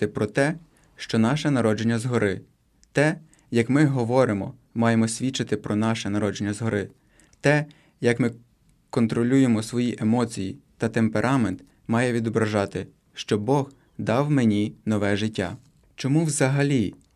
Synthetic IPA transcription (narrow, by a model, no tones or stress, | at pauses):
t̪ɪpɾɔt̪ɛ | ʃt͡ʃɔnɑʃɛnɐɾɔd͡ʒenʲːɐzɦɔɾɪ | t̪ɛ | jɐkmɪɦɔʋɔɾɪmɔ | mɑjemɔsʲʋʲit͡ʃɪt̪ɪpɾɔnɑʃɛnɐɾɔd͡ʒenʲːɐzɦɔɾɪ | t̪ɛ | jɐkmɪ | kɔnt̪ɾɔlʲujemɔsʋɔjiʔemɔt͡sʲijit̪ɐt̪empeɾʔɑment̪ | mɑjɛʋʲid̪ɔbɾɐʒɑt̪ɪ | ʃt͡ʃɔbɔx | d̪ɑwmenʲinɔʋɛʒɪtʲːa̰ | t͡ʃɔmuwzɐɦɐlʲi